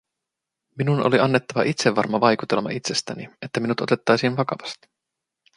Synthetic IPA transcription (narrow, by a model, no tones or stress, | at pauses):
minuno̞̰liʔɑnːe̞t̪ːɑʋɑʔit̪seʋːɑrmɑʋɑjkut̪e̞lmɑ̰it̪se̞st̪ænie̞t̪ːæminut̪o̞t̪e̞t̪ːɑjsinʋɑkɑʋɑst̪i̥